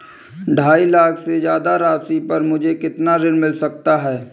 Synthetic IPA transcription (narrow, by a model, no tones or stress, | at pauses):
ɖʱaːilaːkʰsezjaːd̪aɾaːsipɐɾmʊd͡ʒʱekɪt̪naɾɪnmɪlsɐk̚t̪aɦɛː